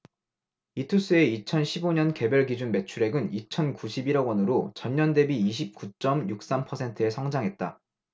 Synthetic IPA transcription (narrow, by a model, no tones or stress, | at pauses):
itʰus͈ɯe̞it͡ɕʰʌnɕʰiboɲʌnke̞bjʌɭɡid͡ʑunme̞t͡ɕʰuɾe̞ɡɯnit͡ɕʰʌnkuɕʰibiɾʌɡwʌnɯɾot͡ɕʌɲɲʌnde̞biiɕ̬ʰip̚k͈ut͡ɕ͈ʌmjuk̚s͈ampʰʌsʰe̞ntʰɯesʰʌŋd͡ʑaŋɦe̞t̚t͈a